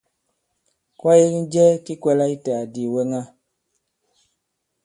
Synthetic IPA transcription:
kwa˦je˦kn̩˦d͡ʒɛ˦ki˦kwɛ˦la˦i˦ta˨di˨we˦ŋa˦

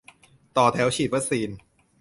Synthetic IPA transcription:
t̪ɔː˨˩t̪ʰɛː˩˦˥wt͡ɕʰiː˨˩t̪̚wa˦˥k̚siː˧n

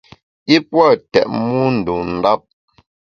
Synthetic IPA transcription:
i˦pwɔ˦˨tɛ̰˨ʔmu˦n̩˨du˨n̩˨da˦p̚

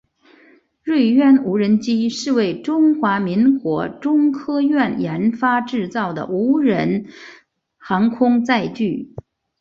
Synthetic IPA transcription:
ɻwe˥˧ɪɥɛ˥˩nu˧˥ɻə˧˥nt͡ɕi˥ʂɻ̩˥˧we˥˩ɪʈ͡ʂʊ˥ŋxwa˧˥mi˧˥ŋkwɔ̰˧˥ʈ͡ʂʊ˥ŋkʰɤ˥ɥɛ˥˩njɛ˧˥nfa˥ʈ͡ʂɻ̩˥˧t͡sɑ˥˩ʊd̪ə̰˩ʔu˧˥ɻə˧˥n | xɑ˧˥ŋkʰʊ˥ŋt͡sa˥˧ɪt͡ɕy˥˩

